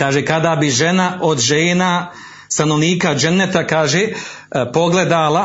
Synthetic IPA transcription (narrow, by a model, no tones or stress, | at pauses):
kaːʒekad̪aːbiʒe̞naʔo̞d̪ʒeːnaː | st̪anoʋniːkad̪ʒenːet̪akaːʒeː | po̞ɡle̞d̪alˠa